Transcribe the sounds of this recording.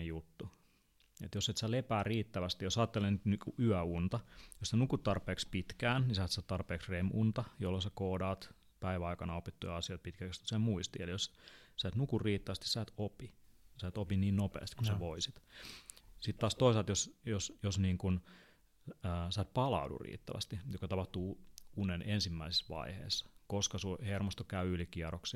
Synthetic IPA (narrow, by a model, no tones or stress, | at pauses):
ejjut̪ːu | ḛt̪josset̪sælepæːriːt̪ːæʋæst̪ijosɑːt̪ːelent̪nykuʔyæunt̪ɑjossenukut̪t̪ɑrpeːkspit̪kæːnnisæːt̪sæːt̪t̪ɑrpeːksremunt̪ɑjolːosækoːdɑːt̪ | pæiʋæɑikɑnɑopit̪ːujɑɑsijoit̪̚pit̪kælkst̪u̥semuist̪iḛlijossæːt̪nukurriːt̪ːæʋæst̪i̥ssæːt̪opisæːt̪opiniːnnopḛːst̪i̥kusæʋoisit̪ | sit̪t̪ːɑːst̪oisɑlt̪josjosjosniːŋkun | sæːt̪̚pɑlɑ̰udṵrḭːt̪ːæʋæ̰st̪ijokɑt̪ɑpɑht̪uːunenensimːæise̥sʋɑ̰ihḛːsːɑ̥koskɑsuhermost̪okæyylikiɑroksi